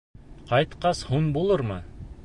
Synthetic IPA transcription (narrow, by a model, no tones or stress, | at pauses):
qɑjt̪qɑshunbulˠɤɾmɤ